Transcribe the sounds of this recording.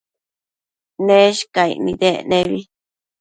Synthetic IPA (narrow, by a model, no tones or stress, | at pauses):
nẽʃkaḭnĩðenẽβi